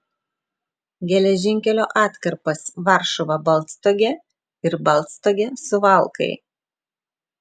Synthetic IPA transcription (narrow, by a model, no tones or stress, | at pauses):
ɡʲɛlʲɛʒʲɪŋʲkʲɛlʲoːʔɑːt̪ʲkɐɾpɐsʋɑˑɾʃɔʋɐbɐlˠˑt̪st̪oːɡʲɛ | ɪɾbɐlˠˑt̪st̪oːɡʲɛsʊʋɐˑlˠkɐ̰ɪ